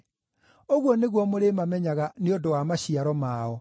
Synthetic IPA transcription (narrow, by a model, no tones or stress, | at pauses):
oɣwɔneɣwɔmoɾemamɛɲaɣaneondowamaɕiaɾɔmaɔ